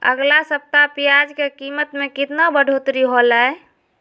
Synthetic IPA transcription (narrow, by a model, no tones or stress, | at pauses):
ə̰ɡlasəp̚t̪apijad͡ʒkekimət̪mẽkɪt̪nabəɖʱot̪ɾiɦolaɛ